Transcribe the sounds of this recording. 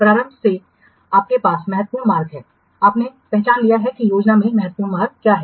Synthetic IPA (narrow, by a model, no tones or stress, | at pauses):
pɾaːɾə̃mbʱse | aːp̚kepaːsmɛɦət̪̚ːpuːɳmaːɾɡɦɛː | aːpnepɛɦt͡ʃaːnlijaɦɛkijoːd͡ʒnamẽmɛɦət̪̚puːɾmaːɾɡ̚kjaːɦɛː